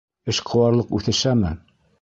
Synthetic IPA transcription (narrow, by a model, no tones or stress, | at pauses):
ɘʃqʰɤ̆wɑɾlˠɤqʉθɘ̆ʃæmɘ